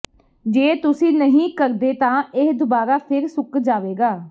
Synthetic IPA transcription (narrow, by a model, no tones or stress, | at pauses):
d͡ʒeːt̪ʊsĩːnəɦĩːkəɾd̪eːt̪ãːɪɦd̪ʊbaːɾaːpʰɪɾsʊkd͡ʒaːʋeːɡaː